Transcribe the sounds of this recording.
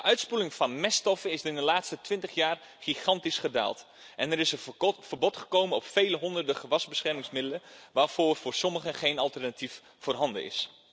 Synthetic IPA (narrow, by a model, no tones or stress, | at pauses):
əʔœɥtspulɪŋvɑnmɛstɔfənɪsdɪndəlaːtstətʋɪntəχjaːr | χiχɑntisχəda̰ːlˠt | ʔɛnəɾɪsəfərbɔtχəkowmənɔpfejləɦɔndərdəχəʋɑzbəsχɛɹmɪŋsmɪdələʋaːɹv̥ʊːɹvʊːɹsɔməχəχejnɑlˠtɛrnatif | fʊːrɦɑndə̰ɪ̰s